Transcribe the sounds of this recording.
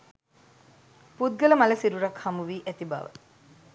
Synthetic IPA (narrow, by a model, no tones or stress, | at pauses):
put̪̚ɡələmaləsiɾuɾakhamuʋiːʔæt̪iba̰ʋə̰